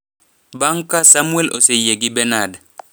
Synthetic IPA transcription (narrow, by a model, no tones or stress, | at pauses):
baŋkasamuelo̰sejeɡibɛnad